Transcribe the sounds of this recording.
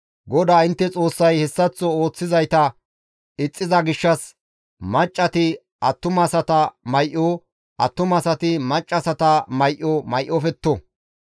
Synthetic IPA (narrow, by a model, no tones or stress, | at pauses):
ɡɔd̪aːɪnt̪ːɛt͡sʼo̞ːsːɐjhɛsːɐt͡sːɔo̞ːt͡sːɪzɐjt̪ɐ | ɪt͡sʼːɪzɐɡɪʃːɐs | mɐt͡ʃʼːɐt̪ɪ | ʔɐt̪ːʊmɐsɐt̪ɐmɐjʔɔ | ʔɐ̰t̪ːʊmɐsɐt̪ɪmɐt͡ʃʼːɐsɐt̪ɐmɐjʔɔmɐjʔɔfɛt̪ːɔ